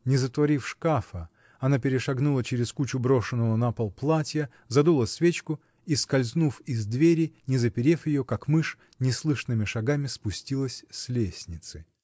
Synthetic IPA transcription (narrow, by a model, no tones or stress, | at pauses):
nʲɪzət̪vɐɾʲifʂkafə | ɐnapʲɪɾʲɪʂɐɡnulˠət͡ɕɪɾʲɪskut͡ɕʊbɾo̞ʂɨnːəvənapɐlˠplˠatʲjə | zɐd̪ulˠəsʲvʲet͡ɕkʊ | iskɐlʲznufɪzʲd̪vʲeɾʲɪnʲɪzəpʲɪɾʲefjɪjokakmɨʂ | nʲɪslˠɨʂnɨmʲɪʂɐɡamʲɪspʊsʲtʲilˠəsʲsʲlʲesʲnʲɪt̪sɨ